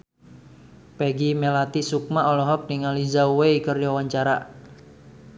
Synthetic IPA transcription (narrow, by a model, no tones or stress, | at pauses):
peɡimelat̪isuk̚maʔɔlɔɦɔk̚niŋalizauweikərjɔwaɲt͡ʃaɾa̰